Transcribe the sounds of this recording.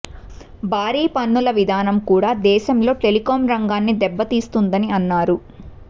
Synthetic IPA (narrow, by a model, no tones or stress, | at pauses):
bʱaːɾiːpɐnːulɐʋid̪ʱaːnɐmkuːɽaːd̪ɛːʃɐmlo̞ːʈe̞likoːmɾɐŋɡaːnːid̪ɛbːɐt̪iːst̪und̪ɐniɐnːaːɾu